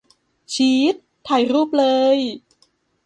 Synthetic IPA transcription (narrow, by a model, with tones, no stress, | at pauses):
t͡ɕʰiː˨˦˥t̪ʰːa˨˩jɾuː˥˩p̚lɤː˧j